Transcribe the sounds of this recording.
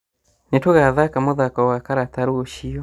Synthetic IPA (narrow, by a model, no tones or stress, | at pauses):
netoɣaðakamoðakɔwakaɾataɾooʃiɔ